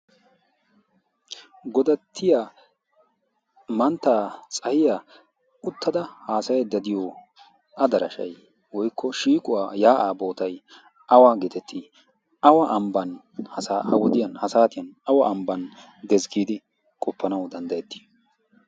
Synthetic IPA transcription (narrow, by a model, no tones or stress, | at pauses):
ɡɔd̪ɐt̪ʰːɪja | mɐnt̪ːaːt͡sʼɐhɪja | ʊt̪ːɐd̪ɐhaːsɐjɛd̪ɐd̪ɪjɔ | ʔɐd̪ɐɾɐʃɐ̰j | wɔjkːɔʃiːkʼʊwaːjaːʔaːbo̞ːt̪ɐj | ʔɐwaːɡɪt̪ɛt̪ʰːi | ɐwɐʔɐmbɐn | hɐsaːʔɐ̰wɔd̪ɪjɐnhɐsaːt̪ɪjɐnɐwɐʔːmbɐn | d̪ɛzɡiːd̪ɪ | kʼɔpːɐnɐwd̪ɐnd̪ɐjɛt̪ːɪ̥